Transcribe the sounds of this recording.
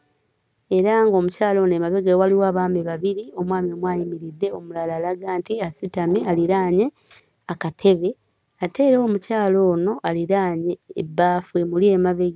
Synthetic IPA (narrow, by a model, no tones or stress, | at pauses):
eɾaŋɡo̞mucaːlo̞ːnoemaβeɡewaliwaːβaːmeβaβiɾio̞mwaːmiomwaːjimiɾid̪ːe̞o̞mulalalaɡaːntiasitamialiɾaːɲe | akatʰe̞βe̞ | atʰe̞ːɾeomucaːlo̞ːno̞ʔaliɾaːɲeːbːaːfwe̞mulie̞maβeɡ